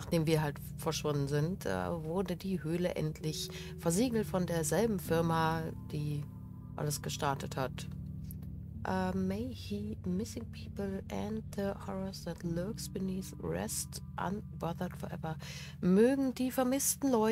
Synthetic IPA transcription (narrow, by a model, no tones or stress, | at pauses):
naːχd̥eːmviːɐɦalt | fɛɐʃv̥ʊndn̩zɪntʔɛ̰ːvʊɐdədiːhøːlə̰ʔɛ̰ntʰlɪç | fɛɐziːɡl̩tfɔndeːɐzɛlbm̩fɪɐmad̥iː | ʔa̰ləsɡ̥əʃtaɐtəthat | ʔɛmeɪhiːmɪsɪ̃ŋpʰiːpəl̩ʔæ̃ndðəhɔɹəsðætlɜksb̥ɪniːθɹɛ̰stʔa̰nb̥ɔðɐdfɔɐʔɛ̰vɐ | møːɡŋ̩diːfɛɐmɪstn̩lɔʏ